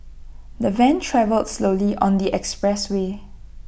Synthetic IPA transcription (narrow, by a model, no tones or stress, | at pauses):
d̪əvɛ̃ntʰɹɛvəldsloliʔɔ̃nd̪iʔɛkspɹɛswe